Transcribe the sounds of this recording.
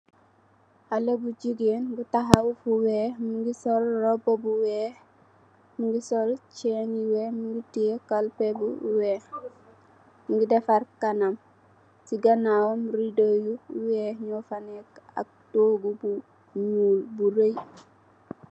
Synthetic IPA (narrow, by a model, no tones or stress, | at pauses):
alebuɟiɡenbutaɦawfuweːmuɡisolrobobuweːh | muŋɡisolt͡ʃɛniweːmuɡitiekalpebuweːh | muɡidefaɾkanam | siɡanawomɾidojuweːhɲɔfaneka̰k̚toːɡubu | ɲuːlbuɾej